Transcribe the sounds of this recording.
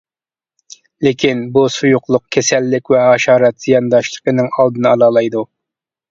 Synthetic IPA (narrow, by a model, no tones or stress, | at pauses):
lɪkʲʰinbusujʊqlˠʊq̚kʲʰɛsɛlːɪkʲwɛhɑʃɑːɾɛt̪z̥ijɑnd̪ɑʃlˠə̥qənɨŋɑlˠd̪ɨnɨɑlˠɑːlˠɑjd̪u